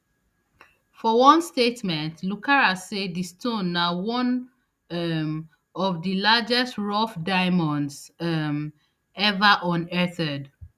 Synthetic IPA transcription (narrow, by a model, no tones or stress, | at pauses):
fɔwɔ̃nstetmɛ̃ntʰlukʰaɹasedistõnːawɔ̃n | ɛm | ɔvdilad͡ʒɛstɹɔfdaɪmɔ̃ndsɛm | ɛvaʔɔ̃nɛtɛd